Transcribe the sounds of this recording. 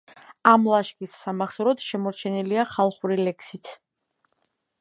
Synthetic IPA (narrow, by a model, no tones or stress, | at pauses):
amlˠaʃkʼisːamaχsɾɔt̪ʃɛmɔɾt͡ʃʰɛniliaχalˠχuɾilɛkʰsit̪ʰ